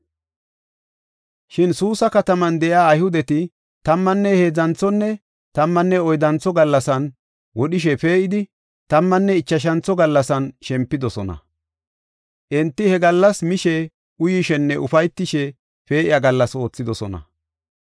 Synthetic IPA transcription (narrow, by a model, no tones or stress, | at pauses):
ʃɪnsuːsɐkɐt̪ɐmɐnd̪ɛʔɪaːjhʊd̪ɛt̪ɪ | t̪ɐmːɐnːɛhe̞ːzɐnt͡sɔnːɛ | t̪ɐmːɐnːɛɔjd̪ɐnt͡sːɔɡɐlːɐsɐn | wɔɗɪʃ̬ɛpe̞ːʔɪd̪ɪ | t̪ɐmːɐnːɛɪt͡ʃːɐʃ̬ɐnt͡sɔɡɐlːɐsɐnʃɛmpːɪd̪ɔsɔnɐ̰ | ʔɛnt̪ːɪhɛɡɐlːɐsmɪʃɛ | ʔʊjɪʃɛnːɛʔʊfɐjt̪ːɪʃɛ | pe̞ːʔɪjaɡɐlːɐso̞ːt͡sːɪd̪ɔsɔ̰nɐ̰